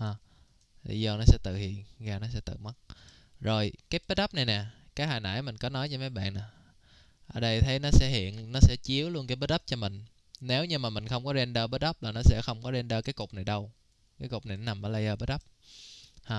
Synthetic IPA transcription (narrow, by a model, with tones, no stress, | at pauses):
haː˨˩ | i˧˩zəː˧˩nɔ˨˦sɛ̰˧˥t̪ɨ̰˧˨hḭ˧˨ənɣaː˨˩nɔ˨˦sɛ̰˧˥t̪ɨ̰˧˨ma˦˥t̚zo˨˩jkaː˨˦jɓə˦˥t̚ɗə˦˥p̚na˨˩jnɛ˨˩kaː˨˦jhaː˨˩na̰ː˧˥˩jmï˨˩ŋ̟kɔ˨˦nɔ˨˦jt͡ɕɔ˧ma˨˦jɓa̰ː˧˨nːaː˨˩ | ʔəː˧˩ɗə˧jt̪ʰə˨˦jnɔ˨˦sɛ̰˧˥hḭ˧˨ənnɔ˨˦sɛ̰˧˥t͡ɕi˨˦əwlu˧ənkaː˨˦ɓə˦˥t̚ɗə˦˥p̚t͡ɕɔ˧mï˨˩ŋ̟ | ne˨˦wɲɨ˧ŋmaː˨˩mï˨˩ŋ̟xə˧wŋ͡mkɔ˨˦ze˧nɗəː˧ɓə˦˥t̚ɗə˦˥p̚laː˨˩nɔ˨˦sɛ̰˧˥xə˧wŋ͡mkɔ˨˦ze˧nɗəː˧kaː˨˦jkʊ˨˩k͡p̚na˨˩jɗə˧w | kaː˨˦jkʊ˨˩k͡p̚na˨˩jnɔ˦na˨˩mːəː˨˦lə˧jʔəː˧ɓə˦˥t̚ɗə˦˥p̚ | haː˨˩